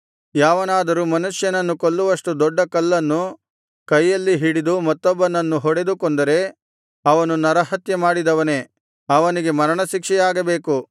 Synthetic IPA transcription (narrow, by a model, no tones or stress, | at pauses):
jaːʋɐnaːd̪ɐɾumɐnuʂjɐnɐnːukolːuʋɐʂʈud̪ɔɖːɐkɐlːɐnːu | kɐjːɐlːiɦiɽid̪umɐt̪ːɔbːɐnːɐnːuɦɔɽe̞d̪ukond̪ɐɾe̞ | ɐʋɐnunɐɾɐɦɐt̪jɐmaːɽid̪ɐʋɐne̞ː | ɐʋɐniɡe̞mɐɾɐɳɐʃikʂɛjaːɡɐbe̞ːku